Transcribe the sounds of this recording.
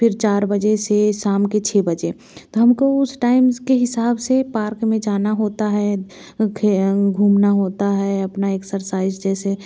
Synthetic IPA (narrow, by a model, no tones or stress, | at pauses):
pʰɪɾt͡ʃaːɾbəd͡ʒeseʃaːmket͡ʃʰebəd͡ʒe | t̪oɦɐmkoʊsʈaːɪmzkeɦɪsaːbsepaːɾkmẽd͡ʒaːnaɦoːt̪aɦɛ | kʰɡʱuːmnaɦoːt̪aɦɛɐpnaeːksəɾsaːɪd͡ʒd͡ʒɛːse